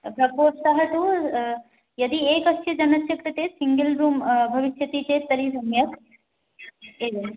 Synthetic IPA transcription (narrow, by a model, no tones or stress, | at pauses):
bʱɾɐɡʋoːsɐɦɐt̪u | jɐd̪ieːkɐst͡ʃʰjɐd͡ʒɐnɐsjɐkɾɨt̪eːsiŋɡɐlɾuːmbʱɐʋiʃjɐt̪it͡ʃet̪ɐɾisɐmjɐk | eːɡɐ